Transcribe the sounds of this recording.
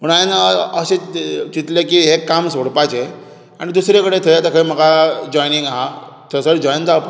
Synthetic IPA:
məɳ̃ainəset͡ɕit̪lekiɦekːamsoɽpat͡ɕe | a̰ɽ̃id̪usɾekəɽet̪ʰəjat̪əkʰəim̤əɡad͡ʑɔjniŋɡaɦa | t̪ʰəsəɽd͡ʑɔjnt̪ap

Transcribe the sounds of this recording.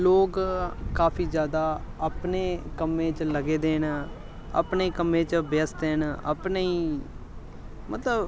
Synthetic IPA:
loːkkaːpʰiːd͡ʒjaːd̪aːəpneːkəmẽːt͡ʃləɡeːd̪eːn | ə̰pneːkəmẽːt͡ʃbɪəsd̪eːnə̰pneiː | mət̪ləb

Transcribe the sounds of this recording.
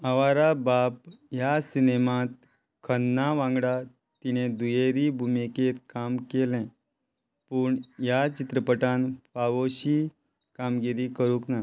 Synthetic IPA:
aʋaɾabap̚jasinemãt̪̚ | kʰənːaʋãŋɡɽa | t̪iñed̪ujeɾibʱumiket̪kamkelɛ̃ | puːɳjat͡ɕit̪ɾəpəʈanfaʋoɕi | kamɡiɾikəɾũkna

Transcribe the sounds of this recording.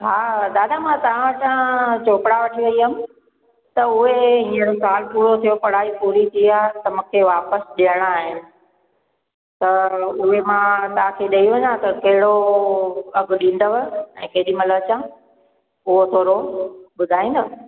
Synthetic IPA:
ɦaːɗ̪aːɗamãt̪ɐʋ̤ãʋɐʈʰãt͡ɕoːkɽaʋɐʈʰiʋɐiɦəmɪ | t̪ɐʊɦeĩːə̃ɽosaːlpuːɽot̪ʰijopɐɽaːipuːɾit̪ʰiaːt̪ɐmũkʰeːʋaːpəsɗijəɽ̃aːɦɪnɪ̆ | t̪ɐʊɦemãt̪ɐɦãkʰeɗɐiʋɐɲãt̪ɐkɐɦɪɽo | ɐɡʊɗĩːn̆d̪oʋəɛ̃ːkɐɗimɐlət͡ɕã | ʊɦot̪ʰoːɾoɓʊd̪ʱaːĩːnd̪o

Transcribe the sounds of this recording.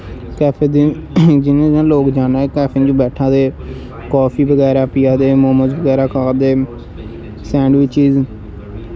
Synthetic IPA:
kɛːpʰeːd̪id͡ʒɪnẽːãːloːkd͡ʒaːnaːeːkɛːpʰẽnd͡ʒõːbɛːʈʰãːd̪eː | kɔːpʰiːbəɡɛːɾaːpɪjãːd̪eːmoːməzbəɡɛːɾaːkaːd̪eː | sɛ̃ːɳɖʋɪt͡ʃiːz

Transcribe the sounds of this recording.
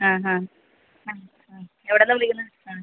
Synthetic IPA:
hãːɦãː | ha | a | eʋiɽenːɐmulikʲːunːɐaː

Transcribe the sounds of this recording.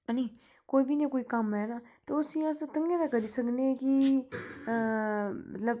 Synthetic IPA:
nĩː | koːiːbiːnẽːkoːiːkəmɦɛːnaːt̪eːʊsĩːəst̪əŋɡẽːd̪aːkəɾiːsəknekɪ | mə̰t̪ləb

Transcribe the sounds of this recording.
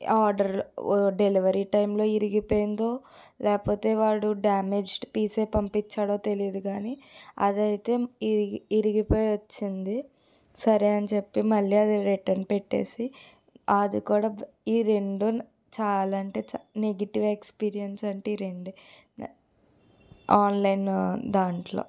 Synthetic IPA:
aːɾɖɐɾlɖe̞liʋɐɾiʈɐjmlo̞ːiɾiɡipo̞ːjind̪o̞ː | lɛːkɐpo̞ːt̪e̞ːʋaːɽuɖaːmed͡ʒɖpiːse̞ːpɐmpit͡ʃːaːɽoːt̪e̞lijɐd̪uɡaːniɐ̰d̪ɐjt̪e̞ː | iɾiɡipoːjʋɐt͡ʃːind̪i | sɐɾeɐnit͡ʃe̞pːimɐɭːiːɐd̪iɾiʈːɐɾnpeʈːe̞̰ːsi | ɐd̪ikuːɽaː | iːɾe̞ɳɖu | t͡ʃaːlaɳʈeːt͡ʃneɡɐʈiʋekspiːɾijɐnsɐɳʈeiːɾeɳɖu | aːnlɐjnd̪aːɳʈlo̰ː

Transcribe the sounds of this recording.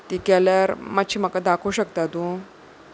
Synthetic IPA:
t̪iːkɛljaɾmat̪ɕiːm̤əkad̪akʰoɕəkt̪at̪ũ

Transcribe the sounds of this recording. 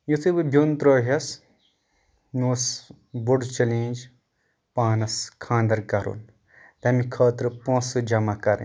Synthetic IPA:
jut̪ʰɨbɨbʱʲjunt̪ɾoːɦɐs | noːs | buɖt͡ʃɐlĩːd͡ʒ | paːnɐskʰãːnd̪ɐɾkɐɾṵn | t̪ɐmikʰɐːt̪ɾɨpõːsɨd͡ʒɐmakɐɾ̰

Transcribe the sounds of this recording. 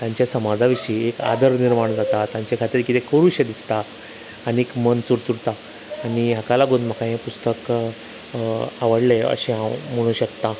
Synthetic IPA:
t̪jãɲt͡ɕjasəmad͡zaʋiʂiːeka̰d̪əɾniɾmaɳd͡zat̪at̪jãɲt͡ɕekʰat̪iːɾkit̪ekəɾuɕẽd̪ist̪aː | niekmənt͡suɾt͡suɽt̪aː | niɦakalaɡonm̤akãɦẽpust̪ək | aʋəɽleə̰ɕẽɦãwm̤əɽ̃ũːɕəkt̪a

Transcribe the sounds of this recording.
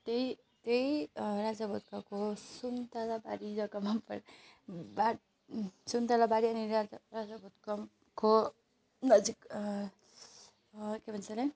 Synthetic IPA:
t̪ei | t̪ejɾad͡zabɔt̪̚kakosunt̪alabaɾid͡zʌkʌmapʌɾ | ba | sunt̪alabaɾiʌniɾad͡zaɾad͡zabʌt̪̚ka | ko | nʌd͡zik | kebʱʌnsala

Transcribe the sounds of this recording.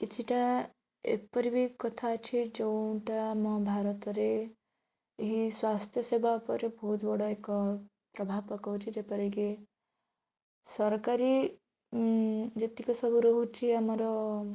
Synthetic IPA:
kit͡ʃʰiʈa | ḛpɔɾibʱikɔt̪ʰat͡ʃʰid͡ʒɔwʈamɔbʱaɾɔt̪ɔɾeː | ɦiswast̪ʰjʌsebʱapɔɾebɔɦut̪bɔɽɔekɔ | pɾɔbʱabpɔkɔt͡ʃʰid͡ʒepɔɾike | sʌɾkaɾi | d͡ʒet̪ikɔsɔbuɾɔɦut͡ʃʰiamɔɾɔ

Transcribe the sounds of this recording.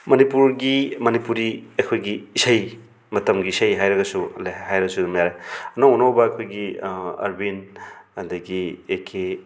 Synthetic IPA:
mɐnipuɾɡimɐnipuɾiɐjkʰojɡiːsɐj | mɐtɐmɡiːsɐjɦajɾɐɡɐsulhajɾɐɡɐsud̪umjaɾajɐnaunowbɐːkʰojɡiɐ̰ɾbinɐd̪ɐɡiekʰe

